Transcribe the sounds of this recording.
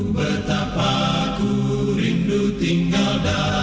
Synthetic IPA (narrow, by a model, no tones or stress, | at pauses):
bərt̪apakuɾindut̪iŋɡalda